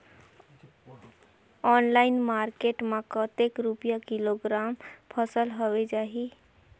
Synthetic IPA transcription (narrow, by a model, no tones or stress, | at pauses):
ɔnlaɪnmaɾkeʈmãkət̪ekɾupjakiloɡɾampʰəsəlɦowed͡ʒaɦi